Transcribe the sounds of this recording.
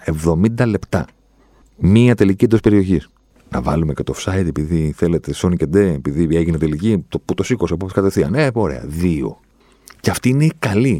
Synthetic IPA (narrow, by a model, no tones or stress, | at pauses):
e̞vðo̞mind̪ɐle̞pt̪ɐ̰ | miɐt̪e̞liciend̪ospe̞ɾio̞çis | nɐ̰vɐ̰lume̞cet̪o̞fsɐjt̪epiðiθe̞let̪eso̞niced̪e̞ːpiðie̞ʝinet̪e̞licit̪oput̪osikosiɐpopskɐt̪efθiɐ̰neoɾe̞̰ɐ̰ðio̞̰ | ceɐft̪iineikɐli